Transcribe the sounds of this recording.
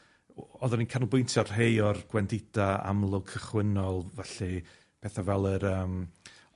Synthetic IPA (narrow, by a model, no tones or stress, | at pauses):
ɔðaninkʰanlˠbʊɨntʰjarɦejɔrɡ̥wɛndɪd̥aa̰mlˠʊkʰəχwɪnɔlˠvaɬi | pʰeːθavɛlˠəɾəːm